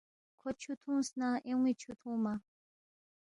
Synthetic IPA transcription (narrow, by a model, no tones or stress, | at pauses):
kʰɔt͡ʃʰut̪ʰũsnaʔeŋʷit͡ʃʰut̪ʰũma